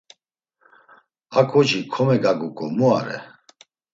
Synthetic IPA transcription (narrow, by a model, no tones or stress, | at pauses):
akʰʼɔt͡ʃikʰɔmɛɡaɡukʼɔmuaɾɛ̰